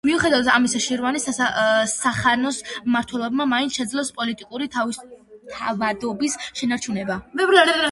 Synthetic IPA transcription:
miuχɛd̪avat̪ʰamisaʃiɾɔvanisasaχanɔsmaɾt̪ʰwɛlˠɔbmamainʃɛd̪zlɔspʼɔlit̪ʼikʼuɾit̪ʰavist̪ʰavad̪ɔbisʃɛnaɾt͡ʃʰunɛbabɛvɾa

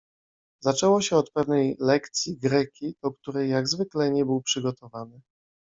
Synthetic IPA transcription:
zat͡ʂɛwɔɕɛɔt̪pɛvnɛjlɛkt̪sʲjiɡɾɛkʲid̪ɔk̚t̪uɾɛjːaɡzvɘklɛɲɛbɘwpʂɘɡɔt̪ʰɔvanɘ

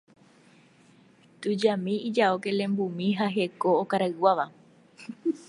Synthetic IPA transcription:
t̪ud͡ʒamĩid͡ʒaoke̞lẽ̞mbumĩɦaɦe̞ko̞ːkaɾaɨwaʋa

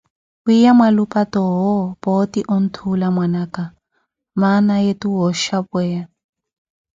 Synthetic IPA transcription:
wijamwalupatɔɦɔpɔtiʔɔn̩tʰulamwanaka | manajetuɦɔʃapwɛja

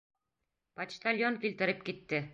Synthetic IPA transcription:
pat̪ʃt̪alʲjoŋkilt̪ɘ̆ɾɘp̚kit̪ːɪ

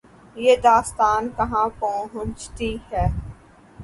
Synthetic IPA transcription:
jeːd̪aːst̪aːnkɐɦãpɔːɦʊ̃t͡ʃt̪ihɛː

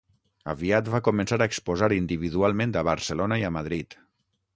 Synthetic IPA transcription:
ə̰βiat̪βakumənsaɾəːkspuzaɾind̪iβiðualˠmẽnt̪d̪əβəɾsəlonəiəmað̞ɾit̪

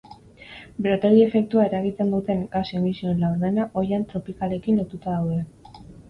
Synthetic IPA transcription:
bɾot̪eɾie̞fe̞k̚t̪uae̞ɾaɣit̪e̞nd̪ut̪e̞ŋɡasemisio̞nlawɾðe̞naʔo̞jant̪ɾo̞pikale̞kinlo̞t̪ut̪aðawðe̞

